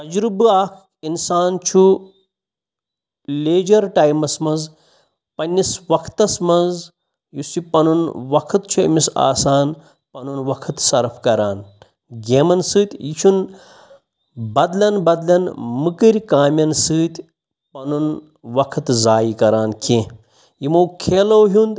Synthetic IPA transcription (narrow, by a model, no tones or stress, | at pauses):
t̪ɐd͡ʒɾubɨaːkʰ | insaːnt͡ʃʰu | lʲeːd͡ʒɐɾʈaːjmɐsmɐnz | pɐnʲːisʋɐkʰt̪ɐsmɐnz | jusipɐnunʋɐkʰɨt̪̚t͡ʃʰuɐ̰misa̰ːsaːn | pɐnunʋɐkʰɨt̪sɐɾpʰkɐɾaːn | ɡʲemɐnsɨːt̪ʲjit͡ʃʰun | bɐd̪lʲɐnbɐd̪lʲɐnmɨkɨɾʲkaːmʲɐnsɨːt̪ʲ | pɐnun | ʋɐkʰɨt̪zaːjikɐɾaːnkʰẽ | jimoːkʰeːloːɦund̪